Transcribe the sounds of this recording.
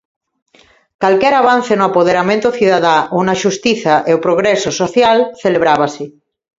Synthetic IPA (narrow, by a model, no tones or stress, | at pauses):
kalkɛɾaβ̞an̟θenoapoðeɾamẽnt̪oθiðaðaunaʃust̪iθaʔeopɾoɣ̞ɾɛsosoθjalθeleβ̞ɾaβasɪ